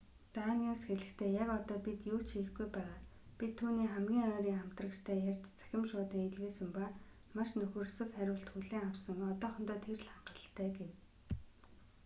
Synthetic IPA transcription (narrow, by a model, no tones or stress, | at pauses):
t̪aniusxeɮɘ̆xt̪ʰeːjakɔt̪ɔːpit̪juːt͡ɕʃĭːxɡujpæːʁaː | pit̪ʰːuːniːχæmɡʲiːŋœːɾʲiːŋam̥t̪rə̆kt͡ɕt̪ʰæːjarʲt͡ɕt͡sæ̥xʲɪ̆mʃʊːt̪eːŋeɮɣeːsɘ̆mpa | maʃnɵxɵ̆rsɵ̆kχæɾʲʊːɬt̪xuɮeːŋawsə̆ŋɔt̪ɔːχɞ̆m̥t̪ɔːt̪ʰerɮχaɢə̆ə̆ɬt̪ʰːæːɡew